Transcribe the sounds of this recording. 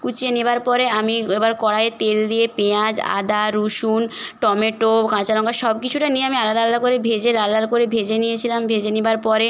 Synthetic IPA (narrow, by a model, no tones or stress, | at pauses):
kut͡ɕienibaɾpɔɾeamiebaɾkɔɽaet̪elːiepeãd͡ʑa̰d̪aɾuʃunʈɔmeʈokãt͡ɕalɔŋɡaʃɔbkit͡ɕʰuʈanijeamialad̪alad̪akoɾebʱed͡ʑelalaɾkoɾebʱed͡ʑenijet͡ɕʰilambʱed͡ʑenibaɾpɔɾe